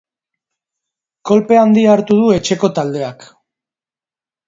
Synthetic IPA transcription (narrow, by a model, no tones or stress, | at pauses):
ko̞lpe̞and̪iaɾt̪uðue̞t͡ʃe̞ko̞t̪ald̪e̞ak